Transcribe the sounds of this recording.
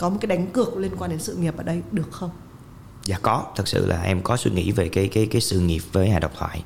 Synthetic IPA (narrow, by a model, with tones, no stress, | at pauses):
kɔ˨˦mo˨˩kaː˨˦jɗa˨˦ŋ̟kɨ˨˩ək̚li˧ənkwaː˧nɗe˨˦nsɨ̰˧˨ŋi˨˩p̚ʔəː˧˩ɗə˧jɗɨ˨˩ək̚xə˧wŋ͡m | zaː˧˩kɔ˨˦t̪ʰɨ˨˩k̚sɨ̰˧˨lʔa̰ː˨˩ʔɛ˧mkɔ˨˦swi˧ŋḭ˧˥ve˨˩kaː˨˦jkaː˨˦jkaː˨˦jsɨ̰˧˨ŋi˨˩əp̚vəː˨˦jhaː˧˨jɗə˨˩wk͡p̚t̪ʰwaː˧˨j